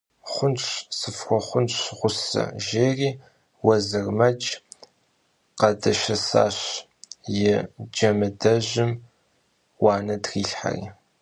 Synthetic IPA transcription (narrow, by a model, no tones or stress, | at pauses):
χʷʊnt͡ʃsɨfxʷɔχʷʊnt͡ʃʁʷʊsɐ̰ʒeːriː | wɐzɨrmɐd͡ʒʼ | qɐdɐʃɐsa̰ːɕ | jɪd͡ʒɐmɨdɐʑɪm | wɑːnɐdriːɬħa̰rḭː